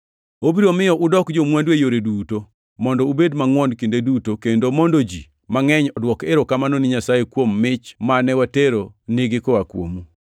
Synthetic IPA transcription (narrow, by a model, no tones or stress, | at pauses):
obiɾomɪjɔʔʊdɔkd͡ʒomwandwejoɾeduto | mɔndɔubedmaŋwɔndkendedutokendomɔndod͡ʒi | maŋɛɲɔdwɔkeɾokamanɔnɪɲasajekwomːɪt͡ʃmanɛwateɾonɪɡɪkoakwo̰mu